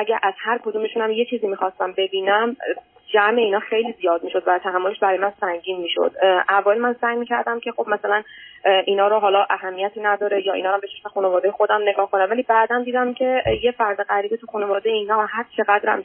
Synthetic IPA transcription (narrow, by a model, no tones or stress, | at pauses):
ʔæɟæɾʔæz̥hæɾkʰo̞d̪uːme̞ʃunæmje̞t͡ʃʰiːziːmiːxɒst̪æmbe̞biːnæm | d͡ʒæme̞iːnɒːxe̞jlizijɒːd̪̚miːʃo̞d̪væt̪ʰæɦæmːole̞ʃbæɾɒːjmænsæŋɟiːnmiːʃo̰d̪̥ʔævɒːelmænsæːjmiːcʰæɾd̪æmcʰe̞xo̞bmæsælænʔiːnɒːɾoɦɒːlɒʔæɦæmːijæt̪ʰiːnæd̪ɒːɾejɒːinɒːɾæmbet͡ʃeʃexunevɒːd̪ejexo̞d̪æmneɡɒːhkʰo̞næmvæliːbæːd̪æmd̪iːd̪æmcʰe̞jefæɾd̪eɣæɾiːb̪it̪ʰuxuːne̞vɒːd̪ejeiːnɒːhæɾt͡ʃʰe̞ɣæd̪ɾæ̰m